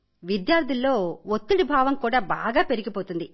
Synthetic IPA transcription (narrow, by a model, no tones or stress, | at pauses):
ʋid̪jaːɾd̪ʱilːo̞ːot̪ːuɽibʱaːʋɐmkuːɽaːba̰ːɡaːpe̞ɾiɡipoːt̪und̪i